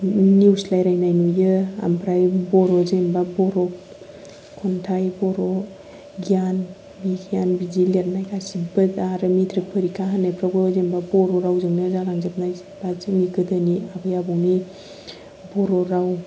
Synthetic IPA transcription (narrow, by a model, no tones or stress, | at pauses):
niuslajɾajnajnujɯa̰mpʰɾajbɔɾɔzembabɔɾɔ | kʰɔntʰajbɔɾɔ | ɡian | biɡianbizilijaɾnajkʰasibɯdaɾɯmitɾɯpʰɯɾikʰaɦanepʰɾaɡɔzembabɔɾɔɾawzɯŋnɯzaɾaŋzɯp̚naj | bazɯmiɡɯdɯniabɯjabɔni | bɔɾɔɾaw